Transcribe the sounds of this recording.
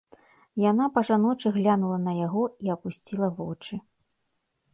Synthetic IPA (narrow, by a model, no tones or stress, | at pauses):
janapɐʐanɔt͡ʂɨɣlʲanulˠɐnɐjaɣɔiɐpusʲt͡sʲilˠɐvɔt͡ʂɨ